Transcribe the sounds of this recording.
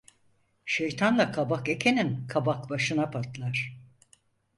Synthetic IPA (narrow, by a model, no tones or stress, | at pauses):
ʃejt̪ʰanlˠakʰabake̞cʰe̞ninkʰabakbaʃɯnapʰaɾt̪lˠaɾ̥